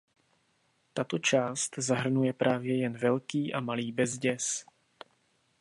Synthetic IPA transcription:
t̪at̪o̞t͡ʃaːst̪zaɦr̩nujɛpɾʔaːvjɛjɛnvɛlkiːʔamaliːbɛzɟɛs

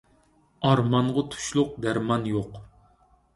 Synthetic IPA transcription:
ɑɾmɑɴʁɑt̪ʰu̥ʃlˠʊq̚d̪æɾmɑnjoq

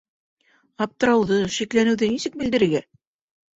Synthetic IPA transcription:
ɑp̚t̪ɤ̆ɾɑwðɤʃiklænɘ̆wðɘnisɘk̚bɘ̆ld̪ɘ̆ɾɘ̆ɾɡæ

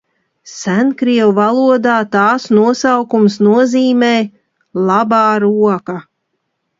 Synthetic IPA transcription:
sænkɾiɛwvalˠuɔd̪aːt̪ɑːsnuɔsawkumsnuɔziːmɛː | lˠabɑːɾuɔka

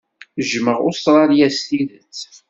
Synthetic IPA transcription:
ʒməʁʊ̰sˤɾˤɑljæst̪iðət͡sː

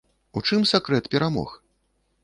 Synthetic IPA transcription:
ut͡ʂɨmsʲakɾɛt̪pʲɛɾamɔ̰x

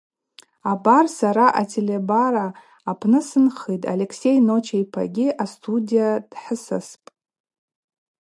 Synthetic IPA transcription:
abarsaɾaʔatʰelʲebaɾaː | pʰnɨsɨnχijtʼa̰le̞kʰse̞jno̞t͡ʃʰajpʰa̰ɡʲɪʔastʰudijad̥ħəsaspʼ

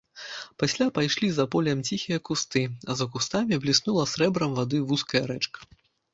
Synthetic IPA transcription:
pasʲlʲapajʂlʲizapɔlʲɐmt͡sʲixʲijɐkust̪ɨɐzɐkust̪amʲiblʲisnulˠɐsʲɾɛbɾɐmvad̪ɨvuskɐjɐɾɛt͡ʂkɐ̥

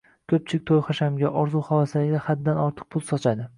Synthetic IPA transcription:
kʲʰɵp̚t͡ʃʰɪɪk̚ʲt̪ʰojχaʃamɡʲaʔɒɾzuχawasaɡʲɪd̪ahad̪ːanɒɾt̪ʰɨ̥q̚pʰʊlˠsɒt͡ʃʰad̪ɪ

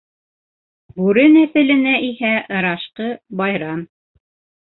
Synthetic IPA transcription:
bʉɾɘnæθɘ̆lɘ̆næʔihæʔɤ̆ɾɑʃqɤbɑjɾɑm

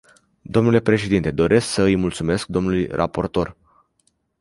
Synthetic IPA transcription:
d̪o̞mnule̞pɾe̞ʃe̞d̪int̪e̞d̪o̞ɾʔe̞sksəɨjmult̪sume̞sk̚d̪o̞mnulujrʔa̰po̞rt̪o̞r

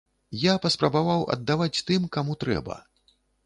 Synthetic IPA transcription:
japɐspɾɐbavawɐ̰d̪ːavat͡sʲt̪ɨmkamut̪ɾɛ̰bɐ̰

